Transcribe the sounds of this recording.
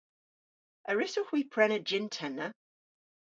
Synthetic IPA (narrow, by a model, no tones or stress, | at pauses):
əɹɪsʊxwiːpʰɹ̥ɛnəd͡ʒɪntʰɛnə